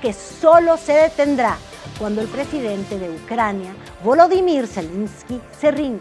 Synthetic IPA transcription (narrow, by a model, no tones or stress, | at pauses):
ke̞so̞lo̞se̞ðe̞t̪e̞nd̪ɾa | kwand̪o̞e̞lpɾe̞siðe̞nt̪e̞ðe̞ukɾanja | βoloðimiɾselenskise̞rinɡ